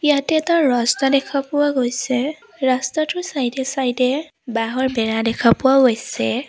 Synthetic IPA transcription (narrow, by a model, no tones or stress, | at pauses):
jatɛtɔɹɔstadɛkʰapʊwaɡojsɛ | ɹɔstɔtʰʊsajdɛsajdɛ | baɦɔɹbɛɹadɛkʰapʊwaɡojsɛ